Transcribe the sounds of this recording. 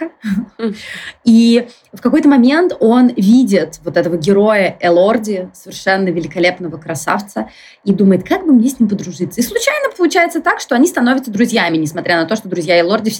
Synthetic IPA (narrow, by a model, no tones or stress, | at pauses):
i | fkɐko̞jt̪əmɐmʲe̞nt̪o̞nvʲidʲɪt̪vo̞t̪ɛt̪əvəɡʲɪɾo̞jəʔɛlˠo̞rdʲɪsəvʲɪrʂɛnːəvʲɪlʲɪkɐlʲe̞pnəvəkɾɐsa̰ft̪sə | id̪uməjɪt̪kaɡ̚bɨmnʲesʲnʲimp̬əd̪ɾʊʐɨt̪səislˠʊt͡ɕæjnəpəlˠʊt͡ɕæjɪt̪sət̪akʂt̪oɐnʲist̪ɐnovʲɪt̪səd̪ɾʊzʲjæmʲɪnʲɪsmɐt̪ʲɾʲanɐt̪o̞ʂt̪od̪ɾʊzʲjaɪlˠo̞rdʲɪfʲ